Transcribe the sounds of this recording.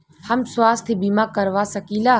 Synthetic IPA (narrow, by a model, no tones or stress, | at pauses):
hɐmswaːst̪ʰibiːmaːkəɾʋaːsəkilaː